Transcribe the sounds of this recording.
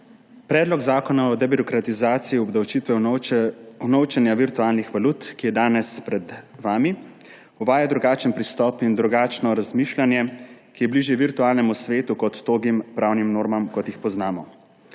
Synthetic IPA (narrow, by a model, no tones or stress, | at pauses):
pɾɛːd̪lɔɡzaːkɔnaɔd̪ɛbiɾɔkɾat̪izaːt̪sijiɔbd̪awt͡ʃiːt̪ʋɛ | unɔwt͡ʃɛnjaʋiɾt̪uaːlnixʋaluːt̪kijɛd̪aːnɛspɾɛd̪ʋaːmi | uʋaːjad̪ɾuɡaːt͡ʃənpɾist̪ɔːpind̪ɾuɡaːt͡ʃnɔɾazmiːʃlanjɛkijɛbliːʒiʋiɾt̪uaːlnɛmusʋeːt̪ukɔt̪ːoːɡimpɾaːwnimnoːɾmamkɔt̪jixpɔznaːmɔ